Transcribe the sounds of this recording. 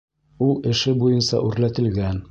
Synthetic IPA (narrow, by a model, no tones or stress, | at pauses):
ulˠɘ̆ʃɘbujɤnsɑ̰ʔʉɾlæt̪ɘ̆lɡæn